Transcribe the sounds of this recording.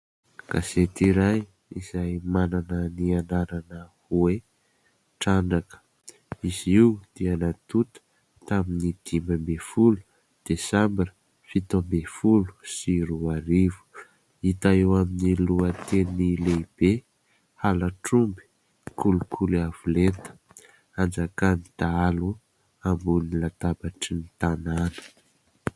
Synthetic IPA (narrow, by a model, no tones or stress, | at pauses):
ɡ̥aset̪iɾaj | izajmananənianaɾanəhue | ʈ͡ʂanɖ͡ʐakə̥ | iziwd̪̥eanat̪ut̪ə̥ | t̪aminid̪̥imbambefulu̥ | d̪̥esambinə | fit̪ombefulu̥siɾuaɾivu̥ | it̪aewaminiluət̪enileib̥e | halaʈ͡ʂumbi̥ | kʰulukʰuliav̥ulent̪ə̥ | and͡zakanid̪aalu | ambunilat̪abaʈ͡ʂinit̪ananə̥